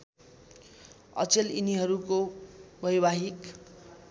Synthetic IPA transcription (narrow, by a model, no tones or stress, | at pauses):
ʌ̰t͡seliniɦʌɾukobʌjbaɦik